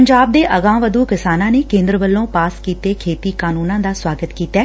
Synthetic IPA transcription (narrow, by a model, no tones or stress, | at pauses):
əɲd͡ʒaːb̚d̪eːʔəɡãːʋəd̪uːkɪsaːnãːneːkẽːnd̪ɾəbəlːõːpaːskiːt̪eːkʰeːt̪iːkaːnuːnãːd̪aːswaːɡət̪kiːt̪ɛː